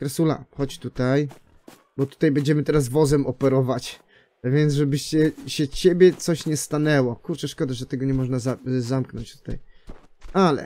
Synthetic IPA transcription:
kɾɛsula̰xɔt͡ɕt̪ut̪aj | bɔt̪u̥t̪ajbɛɲd͡ʑɛmɘt̪ɛɾas̬vɔzɛmɔpɛɾɔvat͡ɕ | vʲjɛnd̪zʐɛbɘɕt͡ɕɛɕɛt͡ɕebʲjɛt̪sɔɕɲɛst̪anɛwɔkuɾt͡ʂɛʂkɔd̪aʐɛt̪ɛɡɔɲɛmɔʐnazazamknɔɲt͡ɕt̪u̥t̪a̰j | alɛ̰

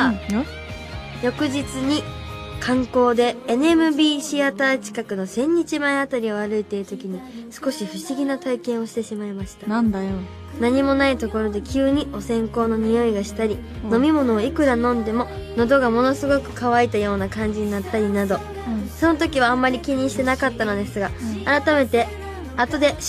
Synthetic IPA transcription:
jo̞kɯ̟ʑit͡sɨɲ̟ikʰãŋko̞ːd̪e̞ːnemɯ̟bʲiːɕiat̪aːt͡ɕi̥kakɯ̟no̞sẽ̞ɲ̟ːit͡ɕimaeat̪aɾʲio̞aɾɯ̟it̪e̞ɾɯ̟t̪o̞kʲiɲ̟isɨ̥ko̞ɕiɸɯ̟ɕiɡʲinat̪aikẽ̞ɰ̃o̞ɕi̥t̪e̞ɕimaimaɕi̥t̪a | naɲ̟imo̞nait̪o̞ko̞ɾo̞d̪e̞kʲɨːɲ̟io̞sẽ̞ŋko̞ːno̞ɲ̟ijo̞iɡaɕi̥t̪aɾʲi | no̞mʲimo̞no̞ːikɯ̟ɾanõ̞nd̪e̞mo̞no̞d̪o̞ɡamo̞no̞sɨɡo̞kɯ̟̥kaβait̪ajo̞ːnakãɲ̟d͡ʑiɲ̟inat̪ːaɾʲinad̪o̞ | so̞no̞t̪o̞kʲiβ̞aːmːaɾʲikʲiɲ̟ĩɕi̥t̪e̞nakat̪ːano̞d̪e̞sɨɡaːɾat̪ame̞t̪e̞ | at̪o̞d̪e̞

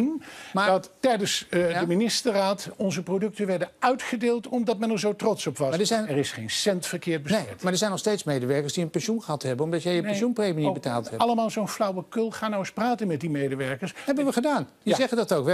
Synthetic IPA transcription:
nmadɑttɛjdənsəminɪstəraːtɔnzəprodɵk̚tənʋɛɹdənœɥtχədeːlˠtɔmdɑt̚mɛnɛɹzowtrɔtsɔpʋɑadəzɛjnɛrɪsχejnsɛntfəɹkɪːɹt̚bəsɛtmaːɹdəɹzɛjnɔχstejtsmejdəʋɛɹkəɹsdiənpɛnʃunχəɦɑtɦɛbənɔmdɑtjɛjəunprejminibəta̰ːlˠtɦɛɑləmaːlˠzownflɑwəkɵlˠχaːnawɪspraːtənmɛt̚dimejdəʋɛɹkəɹsɦɛbənʋəχədaːndizɛχədɑtowkʋɛ

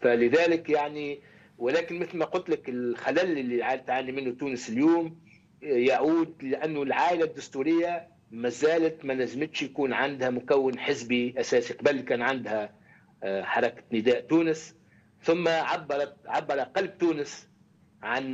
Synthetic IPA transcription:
falɪðæːlɪkjaʕni | wɪlæːkɪnmɪθlmæqʊlt̪lakɪlxalælʔɪlːiʕaːlt̪ʕaːnimɪnːʊt̪uːnɪsɪljuːm | jaʕuːd̪̚lɪʔænːʊlʕaːʔɪlad̪ːʊst̪uːɾɪjːa | mæzæːlat̪mælæzmɪt̪ʃjakuːnʕand̪hamʊkæwːɪnħɪzbiʔæsæːsiqɑbælːikæːnʕand̪hæ | ħɑɾˤɑkḁnɪd̪æːʔt̪uːnɪs | θʊmːaʕɑbːɑɾˤɑt̪ʕabːɑɾˤɑqɑlb̚t̪uːnɪs | ʕan

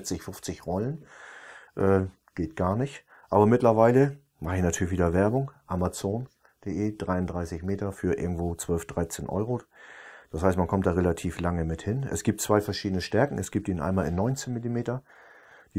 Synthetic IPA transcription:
t͡sɪçfʊft͡sɪçʁɔlən | ʔɛː | ɡ̥eːt̚ɡ̥aːɐnɪçt | ʔa̰ːbɐmɪtlɐvaɪlə | maχəɪçnatʰyːɐlɪçviːdɐvɛɐbʊŋʔamat͡soːn | d̥eːʔeːd̥ʁaɪʊndʁaɪsɪçmeːtɐfyːɐʔɪɐɡŋ̩tv̥oːt͡sv̥œlfd̥ʁaɪt͡seːnʔɔ̰ʏʁod̥ashaɪstmankʰɔmtd̥aːʁelatʰiːflaŋəmɪthɪnʔɛ̰sɡ̥iːp̚tt͡sv̥aɪfɛɐʃiːdənəʃtɛɐkŋ̩ɛsɡ̥iːp̚tiːnʔa̰ɪnmaːlɪnːɔʏnt͡seːnmɪlimeːtɐ | d̥iː

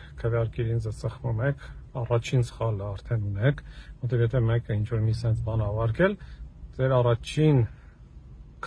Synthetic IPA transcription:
kʰəvjɑɾkɛɾind͡zɛzsəχmumɛkʰɑrɑt͡ʃʰinsə̥χɑləɑɾt̪ʰɛnunɛkʰvɔt̪ʰɛvjɛt̪ʰɛmɛkəint͡ʃʰvɔɾmisɛnt͡sʰbɑnɑvɑɾkɛld͡zɛɾɑrɑt͡ʃʰin | kʰ

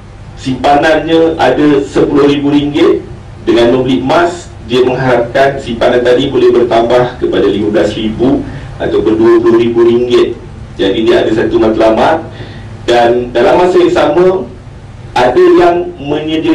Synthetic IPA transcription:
simpananɲaʔa̰dasəpulʊhɾibuɾiŋɡɪt̪̚ | dəŋanːəbliʔ̚mãs | diəmə̃ŋɦaɾap̚kansimpanant̪adibolɛhbərt̪ambahkəpadaliməblasribu | a̰t̪apʊnduəpulʊhɾibuɾiŋɡɪt̪̚ | d͡ʒadidiəa̰dasat̪umat̪lamat̪̚ | dandalamːasajaŋsamə̃ | ʔadajaŋmə̃ɲə̃di

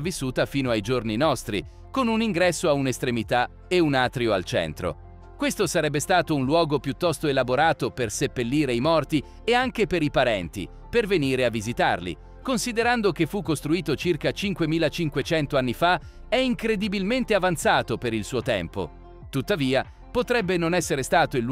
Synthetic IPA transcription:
visːuːt̪afiːnoajd͡ʒorninɔst̪ɾḭ | konuniŋɡɾɛsːoaunest̪ɾemit̪a | eunaːt̪ɾioalt͡ʃɛ̰nt̪ɾo̰ | kwest̪osaɾɛbːest̪aːt̪ounlwɔːɡopjut̪ːɔst̪oelaboɾaːt̪opersepːelːiːɾeijmɔrt̪i | eaŋk̟epeɾipaɾɛnt̪ḭ | perveniːɾeavːizit̪a̰rlḭ | konsid̪eɾand̪okefːukːost̪ɾuiːt̪ot͡ʃirkat͡ʃiŋkwemiːlat͡ʃiŋkwet͡ʃɛnt̪oanːifa | ɛiŋkɾed̪ibilment̪eavant̪saːt̪opeɾilsuːot̪ɛ̰mpo̰ | t̪ut̪ːaviːa | pot̪ɾɛbːenonɛsːeɾest̪aːt̪oilː

